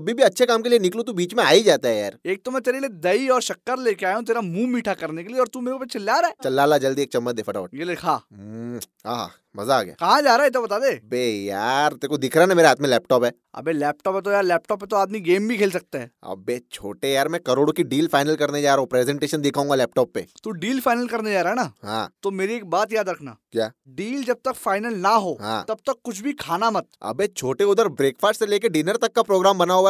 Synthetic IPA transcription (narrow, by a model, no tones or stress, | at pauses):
ɐbʱibʱiɐtːʃʰekaːmkelienɪklot̪ubiːt͡ʃmẽaːid͡ʒaːt̪aɦɛjaːɾeːk̚t̪omɛ̃t̪eːɾelied̪ɐiɔːɾʃɐkːəɾleːkeaːjõt̪̬eːɾamũːmiːʈʰakɐɾnekelieɔːɾt̪umeːɾekopet͡ʃʰɪlːaːɾaɦɛːt͡ʃɐlːaːlːad͡ʒɐld̪ieːk̚t͡ʃɐmːət̪̚d̪eːfəʈaːʈjelekʰaː | ɦaːɦa̰ | mɐzaaːɡja̰ːkɐɦãd͡ʒaːɾaːɦɪt̪obɐt̪aːd̪eːɐbeːjaːɾt̪eːkod̪ɪkʰɾanameːɾeɦaːt̪mẽlɛːp̚ʈɔːpɦɛː | ɐ̰bʱelɛːp̚ʈɔːpɛt̪̬ojaːɾlɛːpʈɔːpːẽt̪oaːd̪miɡeːmbʱikʰeːls̬ɐk̚t̪aɦɛːɐ̰bet͡ʃʰo̰ːʈejaːɾmɛ̃kɐɾoːɽkiɖiːlfaːɪnəlkɐɾned͡ʒaːɾɦõpɾeːzɛ̃ɳʈeːʃənd̪ɪkʰaɦũːŋɡalɛːpʈɔːpːet̪uɖiːlfaːɪnəlkɐɾned͡ʒaːɾaːɦɛnaːɦã̰ːt̪omeːɾieːk̚baːt̪jaːd̪ɾɐkʰna̰ːkjaːɖiːld͡ʒɐb̚t̪ɐkfaːɪnəlnaɦoːɦã̰ːt̪ɐb̚t̪ɐkːʊt͡ʃʰbʱikʰaːnamɐt̪̚ɐ̰bet͡ʃʰoːʈeʊd̪əɾbɾeːkfʰaːɾʈseleːkeɖiːnəɾt̪ɐkːapɾoːɡɾaːmbɐnaːɦoa